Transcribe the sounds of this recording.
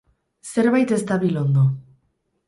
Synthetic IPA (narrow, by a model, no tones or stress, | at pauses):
seɾβajt̪est̪aβilond̪o